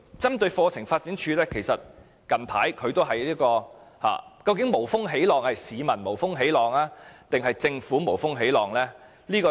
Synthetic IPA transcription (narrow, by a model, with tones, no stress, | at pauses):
t͡sɐ˥mt̪ɵ˧ɥfɔː˧t͡sʰɪ˨˩ŋfaː˧t̚t͡siː˨˥nt͡ʃʰyː˧lɛː˥kʰe˨˩jsɐ˨t̚ | kɐ˨˩npʰaː˨˥jkʰɵ˨˧ɥt̪o˥wɦɐ˨jliː˥kɔː˧ | ha̰ː˨˩kɐ˧wkɪ˨˥ŋmo˨˩wfʊ˥ŋɦe˨˥jlɔː˨ŋhɐ˨jsiː˨˧mɐ˨˩nmo˨˩wfʊ˥ŋɦe˨˥jlɔː˨ŋaː˥t̪ɪ˨ŋɦɐ˨jt͡sɪ˧ŋfuː˨˥mo˨˩wfʊ˥ŋɦe˨˥jlɔː˨˩ŋlɛː˥ | liː˥kɔː˧